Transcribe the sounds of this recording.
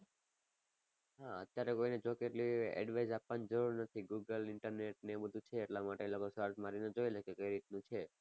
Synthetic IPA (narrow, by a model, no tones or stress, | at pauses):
ɦãə̰t̪jaɾekoined͡ʒokeʈliɛ̰ɖʋajzapʋanid͡ʒəɾuɾnət̪ʰiɡuɡəlɪɳʈəɾneʈ̚nebəd̪ʱut͡ʃʰeːʈlamaʈelokosaɾd͡ʒmaɾined͡ʒoelekekəjɾit̪nũt͡ʃʰe